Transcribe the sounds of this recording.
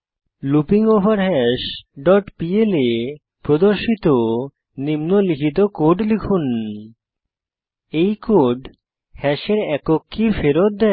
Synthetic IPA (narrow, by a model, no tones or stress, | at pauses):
lupiŋobaɾɦɛʃɖɔʈpiele | pɾod̪oɾʃit̪o | nimnolikʰit̪̬okoɖlikʰun | ejkoɖ | hɛʃeɾɛkokʰːifeɾot̪̚d̪ɛ